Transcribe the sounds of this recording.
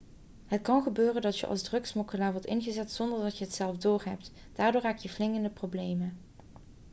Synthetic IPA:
ɦətkɑnχəbøːrəndɑtjə̰ʔɑ̰lˠzdrɵksmɔkəlaːɹʋɔɹtɪnɣəzɛtsɔndəɹdɑtjəɦətsɛlˠfdʊːɹɦɛp̚t | d̥aːɹdʊːɹɦaːkjəvlɪŋəndəprowblejmə

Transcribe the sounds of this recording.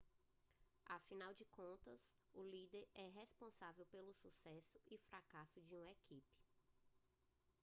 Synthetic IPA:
afinawd͡ʒɪkõnt̪ɐsʊlid̪eɾɛɦespõsavewpelʊsusɛsʊɪfɾakasʊd͡ʒɪũekʰipɪ̥

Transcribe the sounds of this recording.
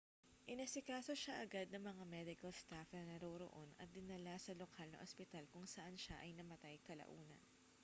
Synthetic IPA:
ʔɪnɐsɪkaːso̞ʃaʔɐɡad̪̚nɐŋmɐŋamɛd̪ɪkɐlst̪afnɐŋnɐɾoɾo̰ʔo̞nɐ̰t̪̚d̪ɪnɐlasɐlokʰalnɐ̰ŋʔospɪt̪alkʊŋsɐʔanʃaʔɐjnɐmɐt̪ajkɐlɐ̰ʔuːnɐ̰n

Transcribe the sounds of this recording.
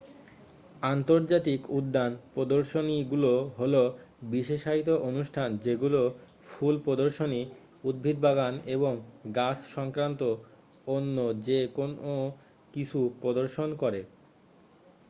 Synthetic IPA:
ant̪oɾd͡ʑat̪ikud̪ːanpɾod̪oɾʃoniɡuloɦolo | biʃeʃait̪oʔonuʃʈʰand͡ʑeɡulo | fʰulpɾod̪oɾʃoni | ud̪̚bʱid̪̚bʱaɡaneβoŋɡasʃɔŋkɾant̪o | onːod͡ʑekono | kit͡ɕʰupɾod̪oɾʃonkɔɾe

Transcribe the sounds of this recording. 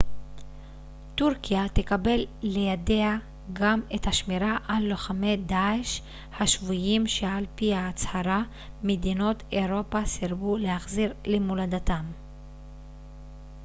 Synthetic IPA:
t̪uʁkijat̪ekabe̞lːe̞jade̞a | ɡamet̪haʃmiɾaʔalːoχame̞jd̪aeʃ | haʃvujimʃealpihaːt͡shaɾa | med̪ino̞t̪eʁo̞pasiɾbulehaχziʁlemulad̪atam

